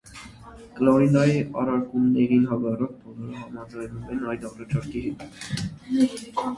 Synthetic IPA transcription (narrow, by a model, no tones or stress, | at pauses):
kəlɔinɑjiɑ̰ɾɑɾkumnɛɾinɦɑɡɑrɑt̪̚bɔlɔɾəɦɑmɑd͡zɑjnumɛnɑjd̪ɑɾɑt͡ʃʰɑɾkʰiɦɛt̪